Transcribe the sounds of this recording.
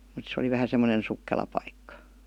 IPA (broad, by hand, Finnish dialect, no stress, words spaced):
mut se oli ʋæhæ semːonen sukːelɑ pɑikːɑ